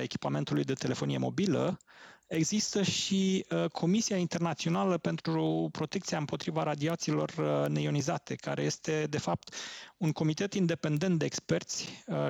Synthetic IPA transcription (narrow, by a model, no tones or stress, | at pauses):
e̞kʲi̥pame̞nt̪ulujd̪e̞t̪e̞le̞fo̞nije̞̰mo̞̰bilə̰ | e̞ɡzist̪əʃiəkʰo̞misijaint̪e̞rnat̪sio̞naləpe̞nt̪ɾupɾo̞t̪ekt̪siaɨmpo̞t̪ɾivaɾad̪iat̪siːlo̞rnejo̞nizat̪e̞ka̰ɾe̞je̞st̪e̞d̪e̞fap̚t̪uŋko̞mit̪e̞t̪ind̪e̞pe̞nd̪e̞nt̪d̪e̞ːkspe̞rt̪sʲ